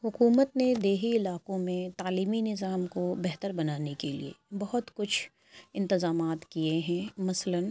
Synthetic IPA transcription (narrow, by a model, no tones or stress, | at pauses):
hʊkuːmət̪ned̪eːɦiɪlaːkõmẽt̪aːliːminɪzaːmkobɛɦt̪əɾbɐnaːnekelḭḛbɐɦʊt̪kʊt͡ʃʰ | ɪ̃nt̪ɪzaːmaːt̪kieɦɛ̃mɐslən